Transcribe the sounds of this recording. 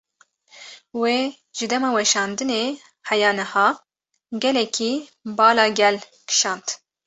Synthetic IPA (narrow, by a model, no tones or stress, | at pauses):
weː | ʒ̥ɨd̪ɛmɑːwɛʃɑːnd̪ɨneː | hɛjɑːnɨhɑː | ɡɛlɛkʰibɑːlɑːɡɛl | kʰɨ̥ʃɑːnt̪